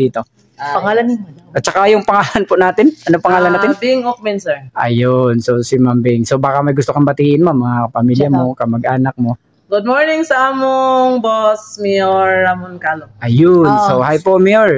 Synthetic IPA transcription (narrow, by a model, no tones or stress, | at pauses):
iːt̪o̞ | pɐŋaːlɐnɪnʔɐt̪̚t͡ʃɐkajʊŋpɐŋaːlɐnpʊnaːt̪ɪnʔɐnopɐŋaːlɐnat̪ɪnbiŋok̚mɛnsɛɹʔɐ̰jʊnsosɪmambɪŋsobaːkɐmɐjɡʊst̪okɐmbɐt̪iːʔɪnmamɐŋapɐmiljɐmokɐmɐɡʔaːnɐk̚mo | ɡʊd̪̚moɹnɪŋsɐʔaːmoŋbosmɛjoɹamonkaloʔɐjʊnsohajpoʔmɛjoɹ